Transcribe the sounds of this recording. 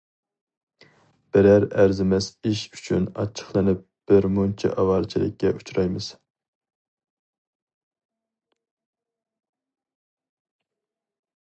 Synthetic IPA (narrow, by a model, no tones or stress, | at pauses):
b̥ɪɾæɾæɾzɪmɛsiʃyt͡ʃʰynɑ̰t͡ʃʰːə̥χlˠɨnɪp̚b̥ɪɾmont͡ʃʰɛ̰ʔɑwɑɾt͡ʃʰilˠɪ̰kʲːɛut͡ʃɾɑjmɨz̥